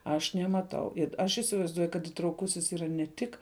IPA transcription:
ɐʃ nʲɛmɐˈtɐʊ ɪt ˈɐʃ ɪsʲɪʋɐɪzˈduɔjʊ kɐt ɪtrɐʊˈkʊsʲɪs ˈiːrɐ nʲɛ ˈtʲɪk

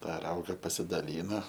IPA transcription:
ˈtɑː ˈrɐʊɡɐ pɐsʲɪdɐˈlʲiːnɐ

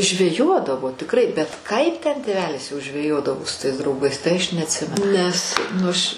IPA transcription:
ʒʲʋʲɛˈjoːdɐʋoː tʲɪkˈrɐɪ bʲɛt ˈkɐɪp tʲɛn tʲeːˈʋʲæːlʲɪs jɛʊ ʒʲʋʲɛˈjoːdɐʋoː sʊ tɐɪs drɐʊˈɡɐɪs tɐɪ ɐʃ nʲɛɐtʲˈsʲɪmʲɛnʊ nʲɛs nʊ ɐʃ

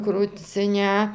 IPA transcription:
krʊt͡sʲɪˈnʲɛ

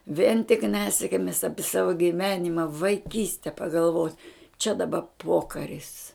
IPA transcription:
ʋʲiɛn tʲɪk ˈnʲæːsʲɪkmʲɪs ˈɑːpʲɪ ˈsɑːʋoː ɡʲɪˈʋʲæːnʲɪmɐ ʋɐɪˈkʲiːsʲtʲɛ pɐɡɐlˠˈʋoːtʲ t͡ʃʲɛ dɐˈbɐ ˈpoːkɐrʲɪs

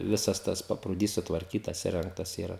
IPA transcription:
ˈʋʲɪsɐs ˈtɐs pɐpruːˈdʲiːs sʊtʋɐrʲˈkʲiːtɐs ɪˈrʲɛŋktɐs ɪˈrɐ

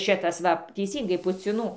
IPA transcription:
ˈʃʲɪtɐs ˈʋɐ tʲɛɪˈsʲiːŋɡɐɪ pʊt͡sʲɪˈnuː

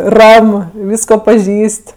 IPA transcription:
ˈrɐm ˈʋʲiːskoː pɐˈʒʲiːsʲtʲ

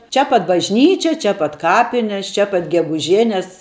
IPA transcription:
ˈt͡ʃʲɛ pɐt bɐʒʲˈnʲiːt͡ʃʲɛ ˈt͡ʃʲɛ pɐt ˈkɑːpʲɪnʲɛs ˈt͡ʃʲɛ pɐt ɡʲɛɡʊˈʒʲæːnʲɛs

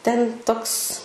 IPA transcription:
tʲɛnʲ ˈtoːks

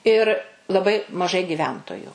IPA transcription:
ɪr lˠɐˈbɐɪ mɐˈʒɐɪ ɡʲɪˈʋʲɛntoːjʊ

